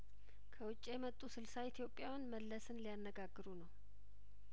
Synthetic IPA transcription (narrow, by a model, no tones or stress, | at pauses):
kʰəwʊt͡ʃʼːjɛmət̪ʼːusɨlsait̪ʰijo̞pʼːjawnməlːəsɨnlijanːəɡaɡːɨɾunəw